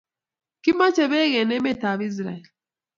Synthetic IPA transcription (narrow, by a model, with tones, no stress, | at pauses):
ki˦ma˦t͡ʃɛ˨βɛ˦ɣɛ˨nɛ˦mɛ˦˨ta˨βi˦z̬ɾa̰˨ɛ˨l